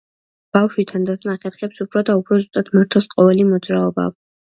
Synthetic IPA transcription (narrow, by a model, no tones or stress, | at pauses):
b̥afʃwit̪ʰand̪at̪ʰnaχɛɾχɛpsupʰɾɔd̪aupʰɾɔzust̪ʼad̪maɾt̪ʰɛlˠsqʼɔvɛlimɔd̪zɾaɔba̰